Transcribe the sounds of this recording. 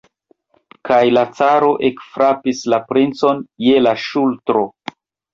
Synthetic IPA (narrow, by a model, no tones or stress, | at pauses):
kajlat͡saɾo̞ʔe̞kfɾapislapɾint͡so̞nje̞laʃultɾo̞